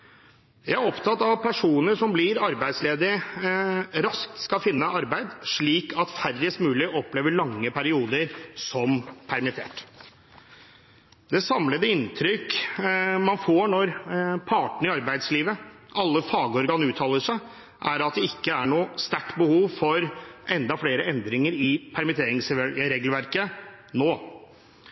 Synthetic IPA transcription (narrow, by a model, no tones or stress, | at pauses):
jæɪæɾɔpt̪ʰɑt̪ːɑʋpʰæʂuːnəʂɔmblɪɾɑɾbæɪd̪sleːd̪əɾ | ɾɑsk̚t̪skɑfɪnːəɑɾbæɪd̪ʂɭiːkʰɑt̪færəst̪mʉːlɪɔpleːʋəɭɑŋːəpʰæɾɪuːd̪əɾsɔmpʰæɾmɪt̪ʰḛːʈ | d̪ɛsɑmləd̪əɪnt̪ʰɾʏk | mɑnfoːɳɔɾpʰɑːʈɳ̩ɪɑɾbæɪd̪sliːʋə | ʔɑlːəfɑːɡəɔɾɡɑːnʉːt̪ʰɑːləʂæɪ | ʔæɾɑt̪̚d̪ɛɪkːəæɳuːst̪æʈbəhuːʋfɔɾʔɛnd̪ɑfleːɾəɛnd̪ɾɪŋəɾɪpʰæɾmɪt̪ʰeːɾɪŋsɾeːɡl̩ʋæɾkə | noː